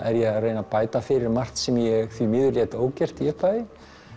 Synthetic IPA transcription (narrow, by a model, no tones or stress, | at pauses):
ɛɾjɛɣreːjnapaːjt̪afɪɾɪɾmar̥t̪sɛmjɛɣθvimɪːðʏɾljɛt̪oːwcɛr̥t̪iɛpaːðɪ